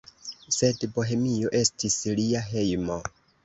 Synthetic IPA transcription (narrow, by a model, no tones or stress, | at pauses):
se̞dbo̞ɦe̞mio̞ʔe̞stisliaɦe̞jmo̞